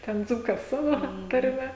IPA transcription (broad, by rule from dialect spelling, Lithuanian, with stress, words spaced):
ˈtʲɛn ˈd͡zuːkɐs ˈsɑːʋoː tɐrʲˈmʲɛ